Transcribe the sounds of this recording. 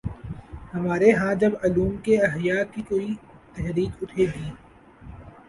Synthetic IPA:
hɐmaːɾeɦãd͡ʒɐbɐluːmkeɐɦjaːkikoːit̪ɐɦɾiːkʊʈʰeɡ̪iː

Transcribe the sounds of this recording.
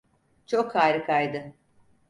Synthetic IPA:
t͡ʃʰo̞kʰhaːɾɯkʰajd̪ɯ

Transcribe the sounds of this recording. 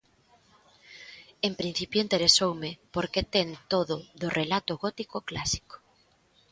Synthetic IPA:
empɾin̟θipjoint̪eɾesowmepoɾket̪eŋt̪oðʊðʊrʔelat̪ʊɣɔt̪ikoklasi̥ko̥

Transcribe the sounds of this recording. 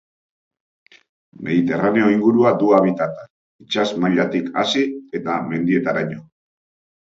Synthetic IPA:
me̞ðit̪e̞rane̞o̞iŋɡuɾuad̪uaβ̞it̪at̪ḁ | it͡ʃazmaʎat̪ika̰sie̞t̪ame̞nd̪ie̞t̪aɾaɲo̞

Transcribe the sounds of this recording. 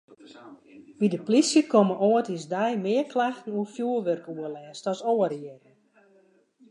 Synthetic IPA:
ʋidəplisjəkʰoməʔoətisdɛjmɪərklaxtən̩uəfjuəlʋørkuəlɛːstɔsoəɾiətn

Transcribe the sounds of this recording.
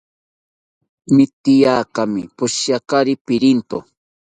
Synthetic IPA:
mɪt̪ɪjaːkamɪ̰pʊʃjakaɾɪpɪɾɪnt̪o

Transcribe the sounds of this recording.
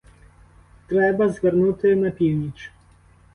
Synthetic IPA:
t̪ɾɛbazɡəɾnut̪ɛnapʲiwnʲit͡ʃ

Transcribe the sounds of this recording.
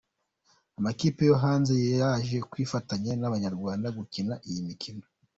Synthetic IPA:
amakiːpe̞joɦaːnzejejaʒe̞kwiːfataɲenaβaɲaɾɡwaːndaɡucinaʔijimikʰino

